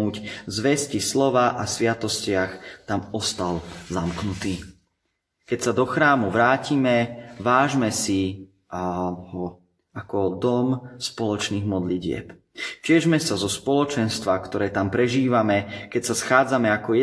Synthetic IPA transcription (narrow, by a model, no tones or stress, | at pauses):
uːczʋɛscislɔʋaʔasʋɪat̪ɔscɪaxt̪amɔst̪alzamknut̪iː | kɛcsad̪ɔxɾaːmuʋɾaːcimɛʋaːʒmɛsi | ɦɔ | akɔd̪ɔmspɔlɔt͡ʃniːɣmɔd̪liɟɪɛ̰p | t͡ʃɪɛʒmɛsazɔspɔlɔt͡ʃɛnst̪ʋakt̪ɔɾɛːt̪ampɾɛʒiːʋamɛkɛcsasxaːd͡zamɛakɔjɛ